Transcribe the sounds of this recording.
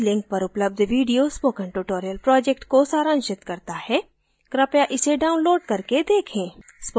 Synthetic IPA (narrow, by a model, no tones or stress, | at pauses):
lɪ̃ŋk̚pɐɾʊpləb̚d̪ʱʋiːɖijospoːkə̃ɳʈuʈoːɾijəlpɾɔːd͡ʒɛkʈkosaːɾə̃ːnʃɪt̪kɐɾt̪ahɛ | kɾɐpjaʔɪseɖaːʊnloːɖkɐɾked̪eːkʰẽːsp